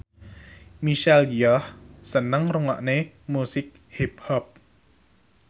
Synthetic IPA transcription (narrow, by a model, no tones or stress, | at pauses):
miʃɛljɔhsənəŋruŋa̰ʔne | musɪk̚hip̚hɔp̚